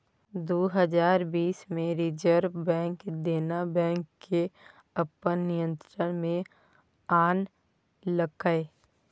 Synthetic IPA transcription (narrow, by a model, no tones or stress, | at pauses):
d̪oːɦəd͡ʒaːɾbiːsmẽɾɪd͡ʒəɾbɛ̃ːŋkd̪eːnabɛ̃ːŋkːe | ɐpənːɪjə̃nt̪ɾəɽ̃mẽ | aːn | ləkəe